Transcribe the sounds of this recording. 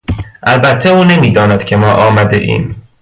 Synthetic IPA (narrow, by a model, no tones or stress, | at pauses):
ʔælbæt̪ʰːeuːne̞miːd̪ɒːnæd̪̥kcʰe̞mɒːʔɒːmæd̪eʔḭːm